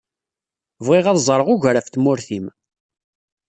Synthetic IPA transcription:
vʁɪʁæðzˤɾˤəʁʊʝɾæft̪mʊɾθim

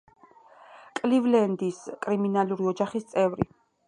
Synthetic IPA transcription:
kʼlivlɛnd̪iskʼɾiminaluɾiɔd͡ʒaχist̪sʼɛvɾḭ

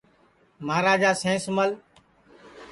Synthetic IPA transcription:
maːɾaːd͡ʒaːsẽːsməl

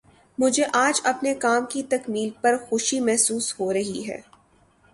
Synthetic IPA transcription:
mʊd͡ʒʱeʔaːd͡ʒɐpnekaːmkit̪ɐkmiːlpɐɾxʊʃimɛɦsuːshoɾɐɦḭɦɛ̰ː

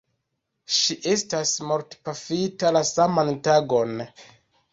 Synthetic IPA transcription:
ʃiʔe̞stasmoɾtpafitalasamantaɡo̞n

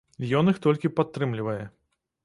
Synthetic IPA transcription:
jɔnɨxt̪ɔlʲkʲipat̪ːɾɨmlʲivɐjɛ

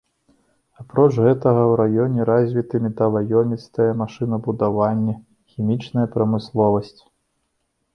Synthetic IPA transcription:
apɾɔt͡ʂɣɛt̪ɐɣɐwɾajɔnʲɛɾazʲvʲit̪ɨmʲid̪ɐvajɔmʲit̪st̪ɐjɛmaʂɨnɐbud̪avanʲːɛ | xʲimʲit͡ʂnɐjɐpɾɐmɨslˠɔvɐsʲt͡sʲ

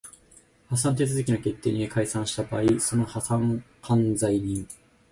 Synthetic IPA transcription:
has̬ãnt̪̬e̞t͡sɨzɨkʲinake̞t̪ːe̞ːɲ̟iekaisãɰ̃ɕi̥t̪abaːiso̞no̞hasãŋ | kãnd͡zaiɲ̟ĩŋ

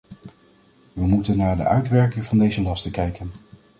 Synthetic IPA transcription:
ʋəmutənːaːɹdə̰ʔœɥtʋɛɹkɪŋvɑndejzəlɑstəkɛjkən

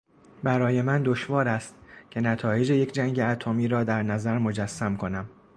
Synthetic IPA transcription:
bæɾɒːje̞mænd̪o̞ʃvɒːɾæst̪cʰe̞næt̪ʰɒːje̞d͡ʒe̞je̞cʰd͡ʒæŋɟe̞æt̪ʰomiːɾɒːd̪æɾnæzæɾmo̞d͡ʒæsːæmkʰo̞næm

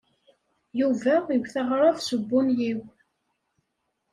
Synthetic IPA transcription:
juvæəwθəʁɾˤɑvsəbːʊnjiw

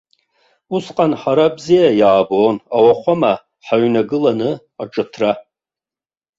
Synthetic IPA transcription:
usqʼanħaɾabzijajaːboːnawaχʷama | ħaɥnaɡɨlanɨ | aʈ͡ʂʼɨtʰra

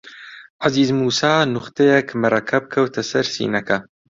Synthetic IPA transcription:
ʕaziːzmuːsaːnʊχt̪ʰɐjɛkmɨɾˤɐkʰɐb̚kʰɐwt̪ʰɐsɐɾsḭːnɐkɐ

